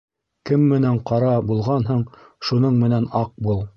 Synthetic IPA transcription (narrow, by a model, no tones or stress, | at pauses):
kɘmːɘ̆næɴqɑɾɑbulˠʁɑnɦɤɴʃunɤɴmɘ̆nænɑq̚bulˠ